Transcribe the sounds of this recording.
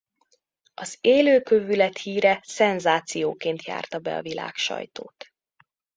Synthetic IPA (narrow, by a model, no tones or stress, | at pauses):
ɒzeːløːkøvylɛt̪hiːɾɛsɛnzaːt̪sijoːkeːnt̪ja̰ːrt̪ɒbɛ̰ɒ̰vila̰ːkʃɒ̰jt̪oːt̪